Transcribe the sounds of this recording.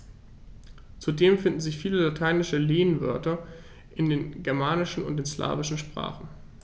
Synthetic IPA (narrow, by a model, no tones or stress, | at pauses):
t͡sudeːmfɪndn̩zɪçfiːləlatʰaɪnɪʃəleːənvœ̰ɐtɐ | ʔɪndeːnɡɛɐmaːnɪʃn̩ʊ̰ntd̥eːnsla̰ːvɪʃn̩ʃpʁ̥a̰ːχn̩